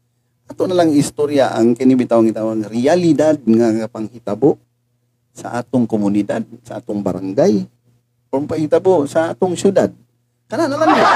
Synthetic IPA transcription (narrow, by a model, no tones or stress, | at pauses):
at̪unalaŋist̪oɾiaʔaŋkɛnibit̪awaŋit̪awaŋrialidad̪̚ŋaɡapaŋhit̪abo | sa̰ʔat̪ʊŋkɔmunidad̪̚saat̪ʊŋba̰ɾaŋɡaj | pɔmpaŋhit̪abosat̪uŋsudad̪̚ | kananalaŋ